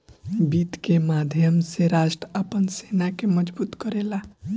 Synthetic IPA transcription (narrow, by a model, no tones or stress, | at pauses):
bit̪kemad̪ʱjəmseɾaʃʈɾəəpənsenakeməd͡ʒbuːt̪kəɾela